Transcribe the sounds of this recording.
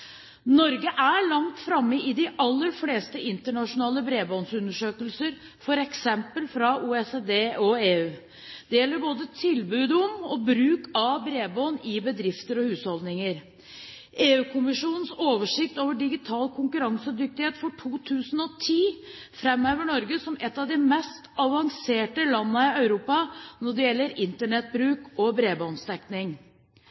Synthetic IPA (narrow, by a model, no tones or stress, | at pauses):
nɔɾɡəʔæɭɑŋt̪fɾɑmːəʔɪd̪ɪʔɑlːəɾfleːst̪əɪnt̪əɳɑʂʊnɑːləbɾeːbɔːnsʉnːəʂøːkəlsəɾ | fɔɾɛksɛmpəlfɾɑuːɛsed̪eːɔeːʉː | d̪̥ɛjɛlːəɾboːd̪ət̪ʰɪlbʉːd̪ʊmɔbɾʉːkɑbɾeːboːnɪbəd̪ɾɪft̪əɾɔhʉːshɔld̪nɪŋəɾ | eːʉːkʰʊmɪʂuːnən̩soːʋəʂɪk̚t̪oːʋəɖɪɡɪt̪ʰɑːlkʰʊŋkʉɾɑŋsəd̪ʏk̚t̪ɪheːt̪fɔʈʰuːt̪ʰʉːsən̩ɔt̪ʰiː | fɾɛmøːʋəɳɔɾɡəsɔmʔɛt̪ːɑʋd̪ɪmɛst̪ɑʋɑŋseːʈəlɑnːəɪœʉɾuːpɑnɔɖɛjɛlːəɾɪnt̪əɳɛt̪̚bɾʉːkɔbɾeːboːnst̪ɛknɪŋ